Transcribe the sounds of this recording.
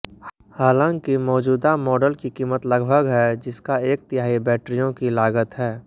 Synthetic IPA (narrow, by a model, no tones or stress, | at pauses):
haːlãːŋkimɔːd͡ʒuːd̪amɔːɖəlkikiːmət̪lɐɡbʱəɡɦɛd͡ʒɪskaeːk̚t̪ɪjaːɦibɛːʈɾijõkilaːɡət̪ɦɛː